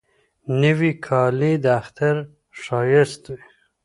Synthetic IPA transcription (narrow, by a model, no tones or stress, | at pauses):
nəwikʰɑːlid̪aːxt̪aɾ | ʂɑːjɪst̪u